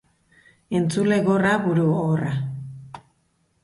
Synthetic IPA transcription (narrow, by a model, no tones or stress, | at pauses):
e̞nt͡sule̞ɣo̞raβuɾuora